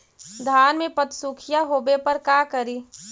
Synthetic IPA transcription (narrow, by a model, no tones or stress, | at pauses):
d̪ʱaːnmẽpɐt̪suːkʰɪjaɦoːbepɐɾkaːkəɾiː